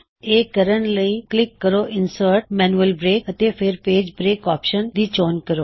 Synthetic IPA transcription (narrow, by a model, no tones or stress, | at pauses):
eːkəɾəɳləiːklɪkːəɾoʔɪnsəɾʈmɛːnuəlbɾeːkət̪epʰeɾpeːd͡ʒbɾeːkɔːpʃənd̪iːt͡ʃoːnkəɾoː